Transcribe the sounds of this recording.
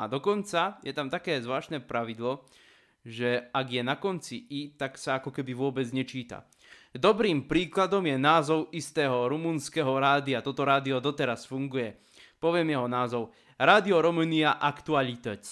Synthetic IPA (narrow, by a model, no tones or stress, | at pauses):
ad̪ɔkɔnt͡sajɛt̪amt̪akɛːzʋlaːʃnɛːpɾaʋid̪lɔ | ʒɛaɡjɛnakɔnt͡siit̪aksaakɔkɛbiʋʊɔbɛd͡zɲɛt͡ʃiːt̪a̰ | d̪ɔbɾiːmpɾiːklad̪ɔmjɛnaːzɔʊist̪ɛːɦɔɾumunskɛɦɔɾaːd̪iat̪ɔt̪ɔɾaːd̪iɔd̪ɔt̪ɛɾasfuŋɡujɛ | pɔʋɪɛmjɛɦɔnaːzɔʊ | ɾaːd̪iɔɾɔmuːniaʔakt̪ualit̪ɛt͡s